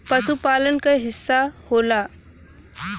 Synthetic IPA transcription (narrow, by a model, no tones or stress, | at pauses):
pɐsupaːlənkaɦɪsːahoːlaː